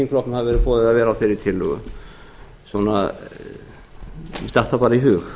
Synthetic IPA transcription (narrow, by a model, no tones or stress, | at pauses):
inflɔknmhavvɛɾɪpɔːðɪðaðvɛːɾaθɪɾɪt̪ʰɪlɔ | sɔna | st̪aht̪apaːɾiɦʏːɣ